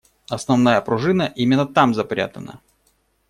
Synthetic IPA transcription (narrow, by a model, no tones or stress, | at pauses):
ɐsnɐvnajəpɾʊʐɨnəʔimʲɪnːət̪amzɐpɾʲa̰t̪ənə̰